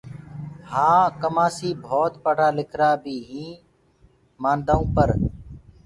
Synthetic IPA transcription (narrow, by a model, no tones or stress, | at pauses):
hãːkəmaːsiːbʱoːt̪pəɽ̤aːlɪkʰɾaːbʱiːɦĩː | mãːnd̪aːũːpəɾ